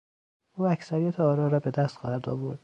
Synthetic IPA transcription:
ʔuːæcsæɾijæt̪ʰeɒːɾɒːɾɒːbe̞d̪æst̪xɒːhæɾd̪ɒ̰ːvoɾd̪̥

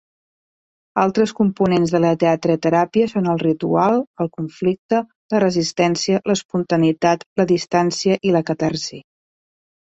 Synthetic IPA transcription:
alˠt̪ɾəskumpunenzðələt̪eat̪ɾət̪əɾapiəsonəlˠrit̪ualˠəlˠkuɱflik̚t̪ə | lərəzist̪ɛnsiələspunt̪ənit̪at̪ləðist̪ansiəʔiləkət̪arzi

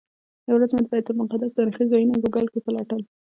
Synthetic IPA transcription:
jawɾazmad̪̚bɑjad̪̚pəɾmʊqad̪asd̪ənxizɑjunoɡoɡalkepəlɑʈəl

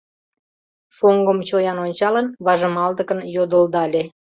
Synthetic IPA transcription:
foŋɡəmt͡ɕojɑnonʲt͡ɕɑlənβɑʒə̆mɑld̪əkənjod̪əld̪ɑlʲe

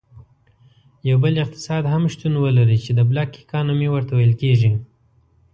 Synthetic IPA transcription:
jawbəlɪq̚t̪ɪ̥sɑd̪ɦamʃt̪unwəlaɾit͡ʃed̪əblɑkːi̥kɑnamewəɾt̪awajəlkeʒi

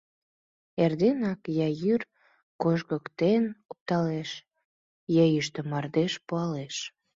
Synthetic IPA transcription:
erd̪enɑkjɑjyr | koʃɣəkt̪enop̚t̪ɑleʃ | jɑjyʃt̪ə̆mɑrd̪eʃpuɑleʃ

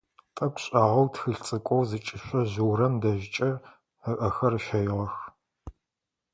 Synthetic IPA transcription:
tʼɐkʷʰʼɕʼaːʁɐwtʰxɨɬt͡sʼɨkʷʼɔwzɨt͡ʃʼɪɕʷɐʑuwɾɐmdɐʑɪt͡ʃʼɐ | əʔɐxɐrʃɐjʁɐx

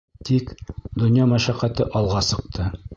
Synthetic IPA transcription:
t̪ʰikd̪ŏnjɑmæʃæqæt̪ɘʔɒlˠʁɑsɤ̆q̚t̪ʰɤ

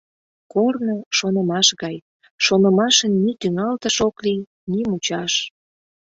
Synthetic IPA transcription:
kornoʃonəmɑʃɣɑj | ʃonəmɑʃənːit̪yŋɑlt̪əʃoklij | nimut͡ɕɑʃ

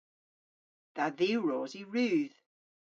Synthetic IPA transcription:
ðaðiɹɔːziɹʉːð

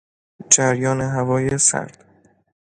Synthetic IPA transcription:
d͡ʒæɾjɒːneɦævɒːjesæ̰ɾd̪̥

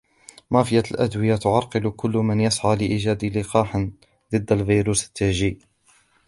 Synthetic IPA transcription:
mɑfɪjːalʔad̪wɪjat̪ʊʕɑɾˤqɨlkʊlːmanjasʕaːlɪʔiːʒaːd̪lɪqɑːħn | ðˤɨd̪ːalvijɾuːsḁt̪ːaʒiːʔ

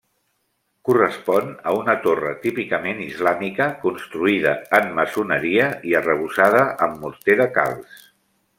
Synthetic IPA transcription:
kurəspɔnəunət̪orə̰t̪ipikəmenizlamikəkunst̪ɾuið̞əəmːəsunəɾiəiərəβ̞usaðəʔəmːuɾt̪eðəka̰lˠs

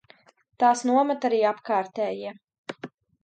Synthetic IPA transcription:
t̪aːsnuɔmat̪aɾiːapkaːɾt̪ɛːjiɛ

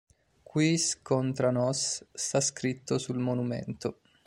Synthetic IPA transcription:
kwiskont̪ɾanɔsːt̪askɾit̪ːosulmonumḛnt̪o

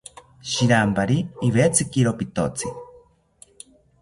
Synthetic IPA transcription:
ʃiɾampaɾiːβet͡sʰɨkiɾopit̪o̰t͡sʰi

